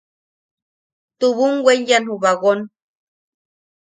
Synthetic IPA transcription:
t̪uβuŋwʷenjanhuβaɣon

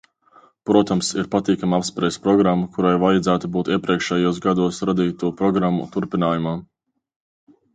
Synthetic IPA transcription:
pɾuɔt̪amsiɾpat̪iːkamapspɾɛspɾɔɡɾamːukuɾajvajad̪zæːt̪ubuːt̪iɛpɾiɛkʃɛjuɔsɡad̪uɔsɾad̪iːtt̪uɔpɾɔɡɾamːṵt̪uɾpinaːjumaː

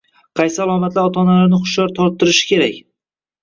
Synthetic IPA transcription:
qʰɑjsɪalˠɒmat̪laɾɒt̪ʰɒnalaɾnɪχʊʃjɒɾt̪ʰɒɾt̪ːɪɾɪʃɪ̥kʲʰe̞ɾakʲ

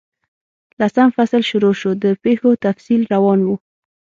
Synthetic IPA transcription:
lasamfaslʃʊɾoʃod̪əpexot̪afsilɾawɑnwu

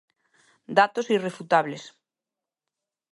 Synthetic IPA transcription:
d̪at̪osirefut̪aβ̞les

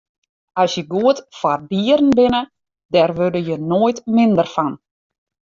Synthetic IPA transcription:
ɔsjəɡuətfɔrdiəɾn̩bɪnə | dɛrʋødəjənoːjtmɪndərfan

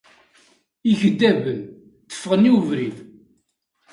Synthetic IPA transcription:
içəd̪ːævən | θə̥fːəʁəniwəvɾið

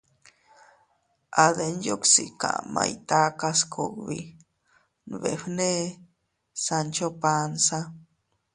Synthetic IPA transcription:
ʔaðenjoksika̰ʔma̰it̪akaskʰoɡβḭ | nβeɸne | sant͡ʃopansa

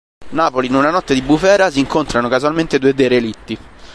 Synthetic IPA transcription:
naːpolinunanɔt̪ːed̪ibːufɛːɾasiːŋkont̪ɾanokazwalment̪ed̪uːed̪eɾelit̪ːi

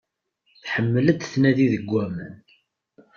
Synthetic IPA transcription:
θħəmːələd̪θnæðiðəɡʷːæmə̰n

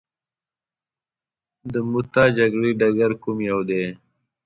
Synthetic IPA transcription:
d̪əmut̪ad͡ʒɐɡɽiɖɐɡaɾkumjawd̪eː

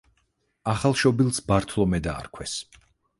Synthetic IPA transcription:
aχalˠʃɔbilˠsbaɾt̪ʰlˠɔmɛd̪a̰ːɾkʰwɛs

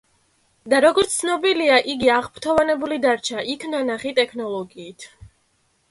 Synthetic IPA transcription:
d̪aɾɔɡɔɾt̪ssʰnɔbiliaʔiɡiaʁpt̪ʰɔvanɛbulid̪aɾt͡ʃʰaʔikʰnanaχit̪ʼɛkʰnɔlˠɔɡiːt̪ʰ

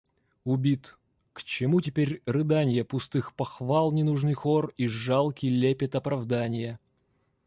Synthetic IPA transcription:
ʊbʲit̪ | kt͡ɕɪmutʲɪpʲeɾʲrɨd̪anʲɪjəpʊst̪ɨxpɐxvalˠnʲɪnuʐnɨjxoriʐalˠkʲilʲepʲɪt̪ɐpɾɐvd̪anʲɪjə

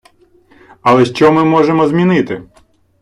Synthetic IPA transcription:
ɐlˠɛʃt͡ʃɔmɪmɔʒemɔzmʲinɪt̪ɪ

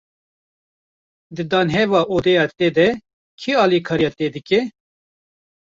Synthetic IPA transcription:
d̪ɨd̪ɑːnɦɛvɑːʔoːd̪ɛjɑːt̪eːd̪ɛ | kʰiɑːlikʰɑːɾijɑːt̪eːd̪ɨkɛ

